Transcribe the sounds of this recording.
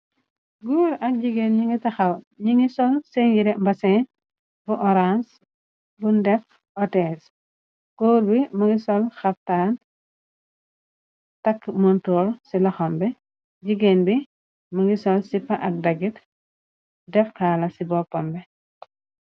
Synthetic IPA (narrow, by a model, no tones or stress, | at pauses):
ɡuːɾɐk̚ɟiɡenɲiŋɡitɐxɐw | ɲiŋisɔlseŋɡiɾɛmbɐsɛn | buʔɔɾans | bundɛf | ɔtɛs | koːɾbimuŋɡisɔlxɐf̚taːn | tɐkmɔntɔːɾsilɔxɔmbɛ | ɟiɡenbi | muŋɡisɔlsipːɐʔɐk̚dɐɡit | dɛfkaːlɐsibɔpːɔmbɛ